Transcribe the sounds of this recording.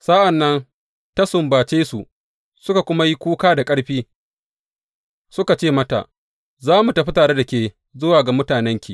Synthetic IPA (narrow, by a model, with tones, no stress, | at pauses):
sa˦ʔa˨nːɐ˦n | tɐ˦sʊ˨mbaː˨t͡ʃeː˦sṵ˨ʔ | sʊ˦ka˨kʷʊ˦ma˦ji˦kʷuː˦kaː˦da˨kʼɐ˦ɽɸiː˦ | sʊ˦ka˨t͡ʃeː˦˨mɐ˦ta̰˨ʔ | zaː˦mu˨tɐ˨ɸi˦taː˨ɽe˦da˨kʲeː˨ | zʊ˦waː˨ɡa˨mʊ˦taː˨nɛ˦ŋkʲiː˨